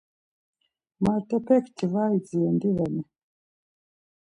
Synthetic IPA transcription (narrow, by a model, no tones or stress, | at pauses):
mat̪ɔpɛktivaid͡ziɛndiβɛnɛ